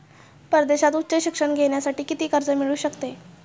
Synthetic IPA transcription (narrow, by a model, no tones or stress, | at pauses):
pəɾəd̪eɕat̪utːɕəɕikʂəɳɡʱeɽjasaʈiːkit̪iːkəɾd͡zəmiɭuːɕəkt̪e